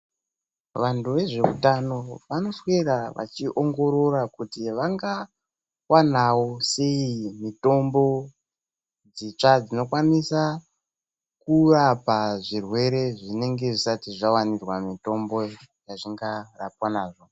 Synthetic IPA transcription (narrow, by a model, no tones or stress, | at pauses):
ʋantuʋe̞ʐe̞utano̞ʋano̞sweɾaʋʔa̰t͡ʃiʔoŋɡo̞ɾo̞rakutiʋaŋɡa | wanawose̞imito̞mbo̞ | d͡zit͡ʂad͡zino̞kwanisa | kurapaʐirwe̞ɾe̞ʐine̞ŋɡe̞ʐisatiʐawanirwamito̞mbo̞jaʐiŋɡarap̚wanaːʐo̞